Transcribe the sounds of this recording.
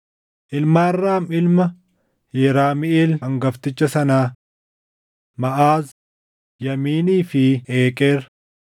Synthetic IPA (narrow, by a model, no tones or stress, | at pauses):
ʔɪlmaːrːaːmɪlmɐ | jɛɾaːmɪʔeːlɐŋɡɐft̪ɪt͡ʃːɐsɐnaː | mɐʔaːz | jɐmiːniːfɪʔeːkʼe̞ːɾɐ